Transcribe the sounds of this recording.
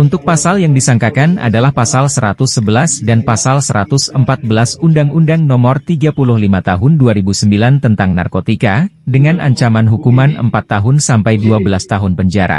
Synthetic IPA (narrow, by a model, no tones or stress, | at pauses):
unt̪ʊk̚pasaljaŋdisaŋkakana̰dalahpasalsəɾat̪ʊsːəbəlasdanpasalsəɾat̪ʊsəmpat̪̚bəlasundaŋundaŋnɔmɔrt̪iɡapulʊhlimat̪aɦʊnduaɾibusəmbilant̪ənt̪aŋna̰rkot̪ika | dəŋanʔa̰ɲt͡ʃamanɦukumanə̰mpat̪ːaɦʊnsampajduabəlast̪aɦʊnpəɲd͡ʒaɾa̰